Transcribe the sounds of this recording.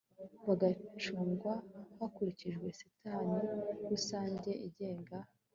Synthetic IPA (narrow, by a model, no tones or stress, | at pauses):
βaɡat͡ʃuːŋɡwahakuɾiciʒɡwe̞si̥tʰaniwusaːɲɟe̞ʔiɟe̞ːŋɡa